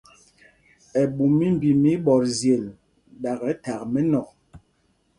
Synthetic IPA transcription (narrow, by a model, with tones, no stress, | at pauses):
ɛ˨ɓu˨mi˦m˨bi˨mi˦ɓɔ˨ɾzje˨l | ɗa˨ɣɛ˨˦ta˨kmɛ˦nɔ˨k̚